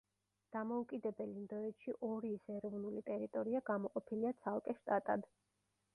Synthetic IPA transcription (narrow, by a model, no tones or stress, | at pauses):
d̪̥amɔukʼid̪ɛbɛlimnd̪ɔɛt̪ʃiʔɔɾiːsɛɾɔvnulit̪ʼɛɾit̪ʼɔɾiaɡamɔqʼɔpʰiliat̪sʰalˠkʼɛʃt̪ʼat̪ʼad̪